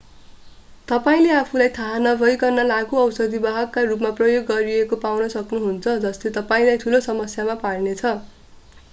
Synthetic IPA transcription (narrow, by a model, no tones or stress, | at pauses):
t̪ʌpaĩleapʰulajt̪ʰaɦanʌbʱʌjkʌrnʌlaɡuʌwsʌd̪ibaɦʌkːarupmaprʌjoɡːʌɾiekopawnʌsʌknuɦunt͡sʰʌd͡zʌslet̪ʌpaĩlajt̪ʰulosʌmʌsjamaparnet͡sʰʌ